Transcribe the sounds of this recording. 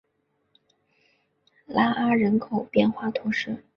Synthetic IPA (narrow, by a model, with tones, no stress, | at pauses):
la˥ʔa˥ɻə˧˥nkʰo˨˩ʊpjɛ˥˧nxwa˥˩t̪ʰʊ˧˥ŋʂɻ̩˥˩